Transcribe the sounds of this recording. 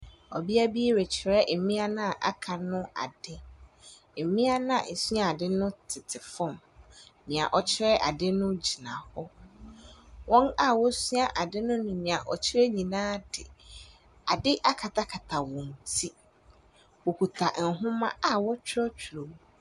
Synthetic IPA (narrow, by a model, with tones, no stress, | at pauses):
ɔ˨bi˦a˦bi˦e˦ɾe˨t͡ɕʰɪ˨ɾɛ˦ʔe˨mĩ˦a˦nã˦˨ʔa̰˦kʰa˨nʊ̃˦a̰˨dɪ˦ | e˨mĩ˦a˦nã˦˨ʔe˨sɥa˨a˨dɪ˦nʊ̃˦tʰɪ˨tʰɪ˨fɔ̃˦˨m | nĩ˨a̰˨ʔɔ˨t͡ɕʰɪ˦ɾɛ˦ʔa̰˨dɪ˦nʊ̃˦d͡ʑi˨nã̰˨hɔ˦ | wɔ̃˦na˦wɔ˦sɥa˦ʔa˨dɪ˦nʊ̃˦nʊ̃˨ɲĩ˨a˨ʔɔ˨t͡ɕʰɪ˦ɾɛ˦ɲĩ˨nãː˦dɪ̰˨ | a˨dɪ˦ʔa˦kʰa˨tʰa˦kʰa˨tʰa˨wɔ̃˨n̩˨tʰi˦ | wɔ˨kʰu˨tʰa˨ʔ̩˨ɦʊ̃˦mã̰˦a˨wɔ˦t͡ɕʰᶣɾɔ˦t͡ɕʰᶣɾo˨˦